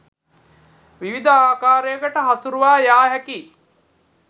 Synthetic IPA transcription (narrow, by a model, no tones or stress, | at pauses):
ʋiʋid̪əaːkaːɾejəkəʈəɦasuɾuʋaːjaːɦɛki